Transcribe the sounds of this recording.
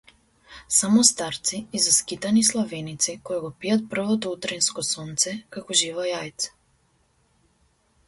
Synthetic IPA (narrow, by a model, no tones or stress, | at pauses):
samɔst̪aɾt̪siːzaskit̪anislˠavɛnit̪sikɔjaɡɔpiat̪̚pr̩vɔt̪ɔut̪ɾɛnskɔsɔnt̪sɛkakɔʒivajajt̪sɛ̥